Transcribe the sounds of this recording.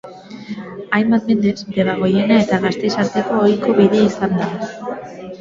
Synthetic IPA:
ajmbat̪̚me̞nd̪e̞sd̪e̞βaɣo̞je̞nae̞t̪aɣast̪e̞saɾt̪e̞ko̞ːjko̞βiðe̞isand̪a

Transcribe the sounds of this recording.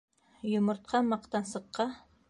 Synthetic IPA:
jŏmŏɾt̪̚qʰɑmɑqt̪ɑnsɤ̆qːɑ

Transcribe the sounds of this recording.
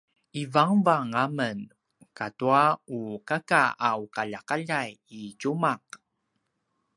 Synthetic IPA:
ivaŋvaŋamən | katuaukakaaukaʎakaʎajicumaq̚

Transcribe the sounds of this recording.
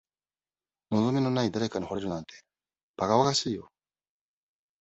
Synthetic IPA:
no̞zo̞mʲino̞naid̪aɾe̞kaɲ̟iho̞ɾe̞ɾɯ̟nãnt̪e̞ | b̥aɡaβaɡaɕiːjo̞

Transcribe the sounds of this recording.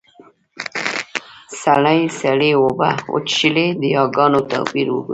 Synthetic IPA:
saɽajsaɽewoba̰o̰t͡ʃʃiled̪əjɑɡɑnot̪ɑ̰piɾwṵɡui

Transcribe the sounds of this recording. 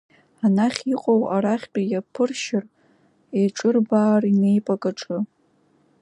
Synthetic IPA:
anaχʲiqʼowaɾaχʲt͡pʲʼajapʰɨrʃɪr | eʈ͡ʂʼɨrbaːrine̞jpʼakʼaʈ͡ʂʼɨ

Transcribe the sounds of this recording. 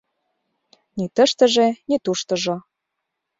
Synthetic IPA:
nit̪ə̆ʃt̪ə̆ʒenit̪uʃt̪ɤ̆ʒo

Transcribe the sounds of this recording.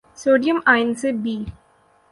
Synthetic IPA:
soːɖijə̃maɪnsebiː

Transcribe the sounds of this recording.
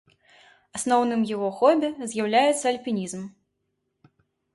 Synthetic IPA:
asnɔwnɨmjaɣɔxɔbʲɛzʲjawlʲajɛt̪sːɐɐlʲpʲinʲizm

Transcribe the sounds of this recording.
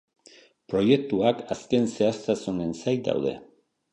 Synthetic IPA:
pɾo̞je̞k̚t̪uakaske̞nse̞aɾt̪asune̞nsajd̪a̰wðe̞̰

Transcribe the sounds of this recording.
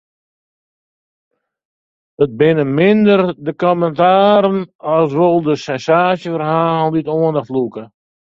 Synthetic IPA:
ət̚bɪnəmɪndərdəkɔməntaːɾənɑsʋolˠdəsɛnsaːsjəfərɦaːlˠditoəndəflukə

